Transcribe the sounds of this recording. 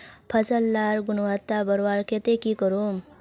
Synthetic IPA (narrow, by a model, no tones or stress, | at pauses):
pʰɐsəlːaːɾɡʊnwat̪ːabɐɾwaːɾket̪ekikəɾoːm